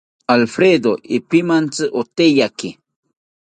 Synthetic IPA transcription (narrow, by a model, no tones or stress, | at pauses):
alfɾed̪oipɪmant͡sɨʔot̪ejakɪ